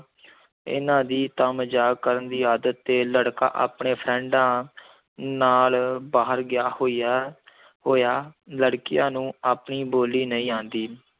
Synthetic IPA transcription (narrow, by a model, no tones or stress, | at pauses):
ɪ̰nãːd̪iːt̪əmd͡ʒaːɡkəɾənd̪iːaːd̪ət̪ːeːləɽka̰ːʔa̰ːpɳeːpʰɾɛ̃ːɳɖãː | naːlbaːɦəɾɡɪjaːhoːiːa | hoːjaːləɽkɪjãːnũːaːpɳiːboːliːnəĩːãːnd̪iː